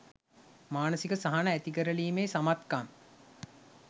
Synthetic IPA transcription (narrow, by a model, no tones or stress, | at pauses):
maːnəsikəsaɦanəæt̪iɡəɾəliːmeːsamat̪kaŋ